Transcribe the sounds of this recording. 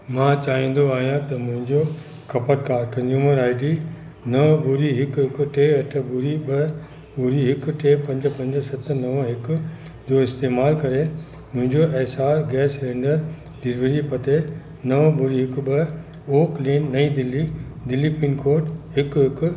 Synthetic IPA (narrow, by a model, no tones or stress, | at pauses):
mãːt͡ɕaːɦĩːn̆d̪oaːɦijãt̪ɐmʊ̃ɦɪ̃ɲd͡ʑo | kʰɐpət̪kaːɾkɐ̃nzuːməɾaːɪɖi | nɐʋbʊɾiɦɪkɦɪkʊ̆ʈeːɐʈʰəbʊɾiɓɐ | ɓʊɾiɦɪkʈeːpɐ̃ɲd͡ʑ̆pɐ̃ɲd͡ʑsɐt̪ʰnɐʋəɦɪkʊ | d͡ʑoːɪst̪eːmaːlkɐɾe | mʊ̃ɦɪ̃ɲd͡ʑoʔɛːsaːɾɡɛːsɾẽːɳɖəɾ | ɖɪɾʋəɾipɐt̪ʰe | nɐʋəbʊɾiɦɪkɓɐ | oːkleːnːɐid̪ɪlːid̪ɪlːipiːnkoːʈɦɪkɦɪk